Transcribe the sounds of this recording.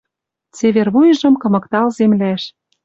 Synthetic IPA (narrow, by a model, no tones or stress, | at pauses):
t͡seβerβujɤ̆ʒɤ̆mkɤ̆mɤ̆kt̪ɑlzemlæʃ